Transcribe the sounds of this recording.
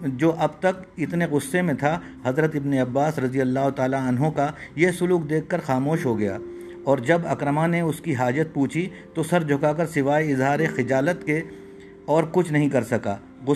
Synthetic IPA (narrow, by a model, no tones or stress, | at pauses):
d͡ʒoːʔɐbt̪ɐkɪt̪neɣʊsːemẽt̪ʰa | ɦɐzɾət̪ɪbneɐbːaːsɾɐd̪ijəlːaːɦot̪aːlaɐnɦõkajesʊluːk̚d̪eːkʰːɐɾxaːmoːʃɦoɡɐja̰ː | ɔːɾd͡ʒɐbɐkɾəmaneʊskiɦaːd͡ʒət̪̚puːt͡ʃʰi | t̪osɐɾd͡ʒʱʊkakɐɾsɪʋaːeɪzɦaːɾexɪd͡ʒaːlət̪ke | ɔːɾkʊt͡ʃʰnɐɦĩkɐɾsɐkaː | ɣʊ